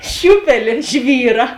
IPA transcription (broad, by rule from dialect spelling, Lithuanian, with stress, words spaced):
ˈʃʲuːpʲɛlʲeː ˈʒʲʋʲiːrɐ